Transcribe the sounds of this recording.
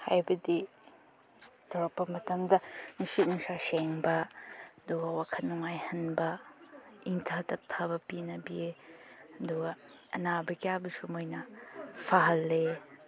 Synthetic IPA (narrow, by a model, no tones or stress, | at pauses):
ha̰jbɐdi | dʰɔɾɐpːɐmɐtɐmdɐnusit̚nuŋsaseŋbɐɐduɡɐwakʰɐnnːuŋajhɐnbɐ | iŋtʰatɐp̚tʰabɐpinɐbie | ɐduɡɐː | nabɐkiabɐsumojnɐpʰaɦɐlːe